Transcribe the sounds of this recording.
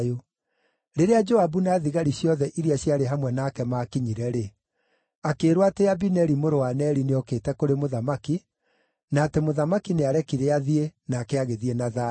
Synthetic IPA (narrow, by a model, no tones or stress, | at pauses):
o | ɾeɾead͡ʒɔabunaðiɣaɾiɕjɔðɛʔiɾiaɕjaɾeɦamwɛnaːkɛmakiɲiɾɛɾe | akeːɾwateabinɛɾimoɾowanɛɾineɔkeːtɛkoɾemoðamaki | naːtemoðamakineaɾɛkiɾeaðienaːkɛaɣeðienaða